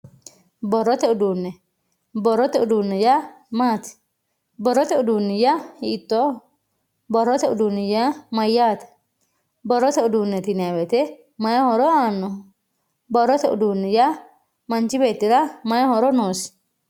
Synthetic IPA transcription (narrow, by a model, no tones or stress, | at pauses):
bɔrːɔt̪ɛʊd̪uːnːɛ | bɔrːɔt̪ɛʊd̪uːnːɛja | maːt̪ɛ̥ | bɔrːɔt̪ɛʊd̪uːnːɪjahɪʔt̪ːɔ | bɔrːɔt̪ɛʊd̪uːnːɪjamɐjːaːt̪ɛ̥ | bɔɾːɔt̪ɛʊd̪uːnːɛt̪ɪnɛɐbɛt̪ɛ | mɐjhɔɾɔaːnːɔ | bɔɾːɔt̪ɛʔʊd̪uːnːɛja | mɐnt͡ʃɪbeːt̪ːɪɾɐmɐjɐhɔɾɔnoːs